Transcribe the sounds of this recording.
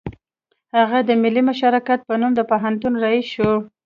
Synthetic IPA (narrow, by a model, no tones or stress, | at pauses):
haɣad̪əmɪlːimʊʃɑɾɑkat̪̚pənumd̪əpoɦant̪unɾaiʃu